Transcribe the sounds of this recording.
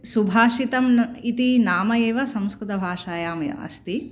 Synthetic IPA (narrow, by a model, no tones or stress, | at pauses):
subʱaːʂit̪ɐmit̪inaːmɐjeːʋɐsɐ̃mskɾut̪ɐbʱaːʂaːjaːmjɐ̰ɐ̰st̪i